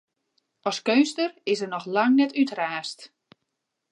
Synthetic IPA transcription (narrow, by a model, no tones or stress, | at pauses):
ʔɔskøɥnstərɪsərnɔxlaŋnɛtytraːst